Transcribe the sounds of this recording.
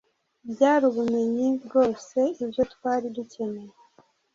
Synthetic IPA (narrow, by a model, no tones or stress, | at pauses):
bjaːɾuβume̞ɲibɡo̞ːse̞ibjo̞tkwaːɾiducʰe̞ne̞ɾe